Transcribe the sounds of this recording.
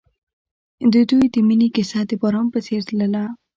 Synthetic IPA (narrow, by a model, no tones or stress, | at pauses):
d̪əd̪ujd̪əminikɪsad̪əbɑɾɑmpət͡seɾt̪ləla